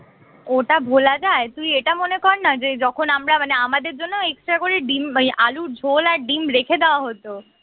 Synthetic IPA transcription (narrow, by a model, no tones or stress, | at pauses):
oʈabʱolad͡ʑaet̪umieʈamonekɔɾnad͡ʑed͡ʑɔkʰonamɾamaneamad̪eɾd͡ʑonːoeksʈɾakoɾeɖimjʔaluɾd͡ʑʱolaɾɖimɾekʰed̪eoaɦot̪o